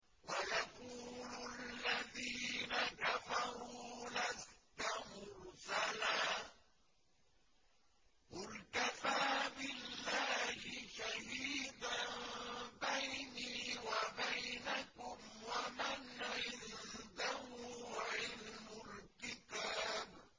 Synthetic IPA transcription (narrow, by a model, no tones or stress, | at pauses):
wajaquːlʊlːaðiːnakafɑɾuːlast̪amʊɾsalaː | ʔʊɾt̪afaːbɪlːaːhɪʃahiːd̪anbajniːwabajnakʊmwamanːaʔɪnd̪ahuːwaʔɪlmʊɾt̪ɪkaːb